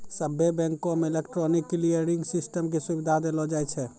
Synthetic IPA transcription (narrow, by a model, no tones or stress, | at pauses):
səbʱːebɛ̃ŋkomeilekʈɾɔnikːlijəɾiŋɡsisʈəmkesubid̪ʱad̪elɔd͡ʒajt͡ʃʰɛ